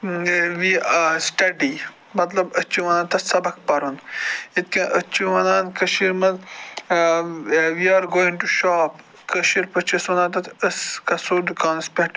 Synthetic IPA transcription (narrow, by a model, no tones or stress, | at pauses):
ʋisʈɐɖi | mɐt̪lɐbɐt͡ʃʰiʋɐnaːnt̪ɐsɐbɐk̚pɐɾunit̪̚kɐ̃ʔɐt͡ʃʰiʋɐnaːnkɐʃiɾmɐz | ʋiaːɾɡoːinʈuʃaːp | kəʃiɾpɐt͡ʃʰɐsʋɐnaːnt̪ɐt̪ɐskɐsoːɾd̪ukaːnɐspeʈ